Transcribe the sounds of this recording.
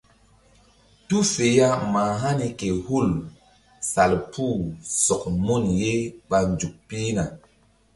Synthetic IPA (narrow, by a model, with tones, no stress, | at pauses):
tu˦fe˨ja˦ma˨ɦa˦ni˨ke˨hu˦˨l | sa˨lpʰu˦˨sɔ˨kmo˦˨nje˦ba˨nd͡ʒu˨k̚pi˦na˨